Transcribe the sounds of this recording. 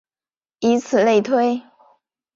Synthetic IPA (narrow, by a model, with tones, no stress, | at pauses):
i˧˥t͡sʰɹ̩˨˩le˥˩ɪt̪ʰwe˥ɪ